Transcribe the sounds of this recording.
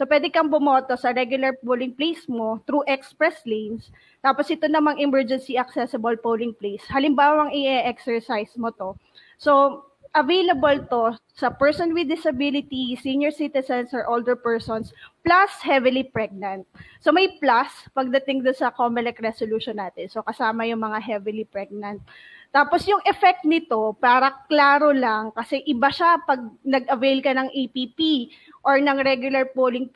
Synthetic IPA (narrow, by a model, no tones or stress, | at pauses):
sopwɛd̪ɛkɐŋbʊmoːt̪osɐɾɛɡjʊlɐɹpolɪŋplejsmo̞t̪ɾuʔɛkspɹɛslejns | t̪aːposʔɪt̪onɐmɐŋɪmɛɹd͡ʒɛnsiɐksɛsɐbɐlpolɪŋplejshɐlɪmbaːwɐŋɪɛʔɛksɛɹsajsmot̪o̞ | so | ʔɐvejlɐbɐlt̪o̞ | sɐpɛɹsɔnwɪd̪ɪsɐbilɪt̪isinjɔɹsit̪ɪsɛnsɐɹʔold̪ɛɹpɛɹsonsplɐshɛvɪlipɹɛɡ̚nɐnt̪̚somɐjplaspɐɡ̚d̪ɐt̪ɪŋd̪onsɐkomɪlɛkɾɛsoluːʃonːaːt̪ɛnsokɐsaːmɐjʊŋmɐŋaɦɛvɪlipɹɛɡ̚nɐnt̪̚ː | aːposjʊŋʔɛfɛk̚t̪̚nɪt̪o̞paːɾɐklaːɾolɐŋkɐsɛʔɪbaʃapɐɡ̚nɐɡʔɐvejlkɐnɐŋʔejpipi | ʔoɹnɐŋɾɛɡjʊlɐɹpoːlɪŋ